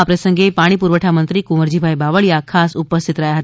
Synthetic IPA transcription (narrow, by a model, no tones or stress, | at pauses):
apɾəsəŋɡepaɽ̃ipuɾʋəʈʰamənt̪ɾiːkuməɾd͡ʑibʱajbaʋəɭjakʰasupəst̪ʰit̪ɾajaɦət̪